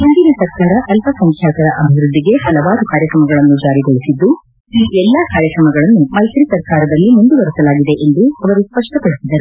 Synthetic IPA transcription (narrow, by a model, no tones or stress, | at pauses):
ind̪inisɐɾkaːɾɐʔɐlpɐsɐŋkʰjaːt̪ɐɾɐʔɐbʱiʋɾud̪ːiɡe̞hɐlɐʋaːɾukaːɾjɐkɾɐmɐɡɐɭɐnːud͡ʒaːɾiɡoɭisid̪ːu | iːʔɛlːɐkaːɾjɐkɾɐmɐɡɐɭɐnːumɐjt̪ɾisɐɾkaːɾɐd̪ɐlːimund̪ubɐɾusɐlaːɡid̪e̞ʔend̪uɐʋɐɾuspɐʂʈɐpɐɽisid̪ɐɾu